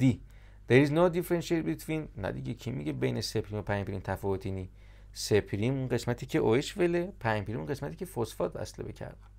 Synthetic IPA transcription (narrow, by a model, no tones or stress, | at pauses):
d̪̥i | d̪̥eɾiznod̪ifeɾensʃet̚bit̪ʰvinːæ̰d̪iɟekʰimiɟebejnese̞pʰɾimopʰæjmpeɾimt̪ʰæfɔːvot̪ʰini | sepʰɾimunɢe̞smæt̪ʰiːcʰe̞ʔoeʃvelepʰæjmpʰeɾimunɢesmæt̪ʰiːcʲʰefosfɒːt̪̚bæ̰slebḛcʰæ̰ɾd̪æ̥n